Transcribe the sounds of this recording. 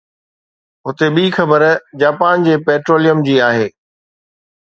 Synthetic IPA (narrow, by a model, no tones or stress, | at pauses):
ɦʊt̪eɓiːxɐbəɾd͡ʑaːpaːnd͡ʑeːpɛːʈɾoːlijəmd͡ʑiːaːɦeː